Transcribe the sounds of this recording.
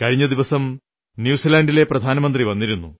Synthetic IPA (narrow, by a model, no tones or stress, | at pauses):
kɐɻiɲːɐd̪iʋɐsɐm | njuːsilaːndile̞prɐd̪ʱaːnɐmɐnd̪riʋɐnːiɾunːṵ